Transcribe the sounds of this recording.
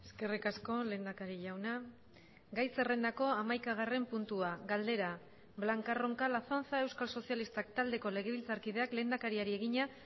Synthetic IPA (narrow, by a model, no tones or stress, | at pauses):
eske̞rikasko̞le̞ːnd̪akaɾiʝawna | ɡajse̞re̞nd̪ako̞amajkaɣ̞are̞mpunt̪uaɣald̪e̞ɾa | βlaŋkaro̞ŋkalaθanθae̞wskalso̞sialist̪akt̪ald̪e̞ko̞le̞ɣ̞e̞βilt͡saɾkið̞e̞akle̞ːnd̪akaɾiaɾie̞ɣiɲa